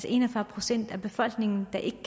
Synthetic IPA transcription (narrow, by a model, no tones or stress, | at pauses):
se̝̰nɒfɶɐpʰʁo̝sen̰d̥æb̥e̝fɒ̽l̰ɡ̥ne̝ŋn̩d̥ɑ̈ʔe̝ɡ̥əkʰ